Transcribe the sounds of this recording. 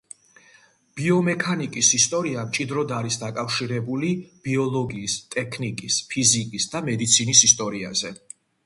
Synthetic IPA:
b̥iɔmɛkʰanikʼisist̪ʼɔɾiamt͡ʃʼid̪ɾɔd̪aɾisd̪akʼafʃiɾɛbulib̥iɔlˠɔɡiːst̪ʼɛkʰnikʼispʰizikʼisd̪amɛd̪it̪sʰinisist̪ʼɔɾia̰zɛ

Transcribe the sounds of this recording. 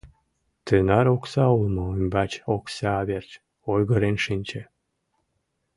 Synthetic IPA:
t̪ønɑɾoksɑulˠmɤymʲbɑt͡ɕoksɑːβert͡ɕ | ojɣɤ̆ɾenʃinʲt͡ɕĕ

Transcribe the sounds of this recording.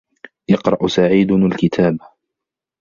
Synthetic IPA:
jɑqɾˤɑʔsaʕiːd̪ʊalkɪt̪ʰaːba

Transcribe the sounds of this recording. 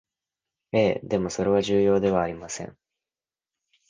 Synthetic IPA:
e̞ːd̪e̞mo̞so̞ɾe̞βaʑɨːjo̞ːd̪e̞β̞aːɾʲimasẽ̞̰ŋ

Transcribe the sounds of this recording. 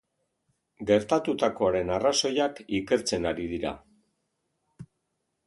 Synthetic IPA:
ɡe̞ɾt̪at̪ut̪ako̞aɾe̞naraso̞jakike̞ɾt͡se̞naɾiðiɾa̰

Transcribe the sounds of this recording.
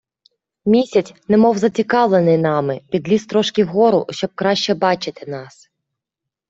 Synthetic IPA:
mʲisʲɐt͡sʲnɛmɔwzɐt͡sʲikɑʋlˠenɪjnɑmɪpʲid̪lʲist̪ɾɔʃkʲɪwɦɔɾʊ̰ʃt͡ʃɔb̚kɾɑʃt͡ʃɛbɑt͡ʃɪt̪ɪnɑs

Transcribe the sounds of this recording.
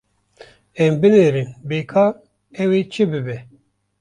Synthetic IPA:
ɛmbɨneːɾinbeːkʰɑːɾ | ɛweːt͡ʃʰɨbɨbɛ

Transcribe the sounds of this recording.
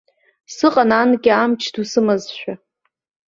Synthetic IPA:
sɨqʼananɡʲiamt͡ʃʰdusɨmazʃᶣa

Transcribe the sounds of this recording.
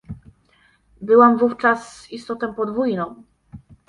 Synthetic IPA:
bɘwamvuft͡ʂas | ist̪ɔt̪ɔ̃pɔd̪vujnɔ̃w̃

